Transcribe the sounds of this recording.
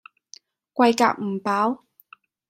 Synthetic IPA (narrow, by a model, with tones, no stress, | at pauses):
kʷɐ˧jka̰ː˧k̚m̩˨˩paː˨˥w